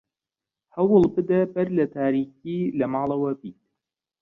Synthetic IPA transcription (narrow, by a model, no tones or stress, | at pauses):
hɐwɨlˠbɨd̪ɐbɐɾlɐt̪ʰaːɾiːkiːlɐmɑːlɐwɐbiːt̪̚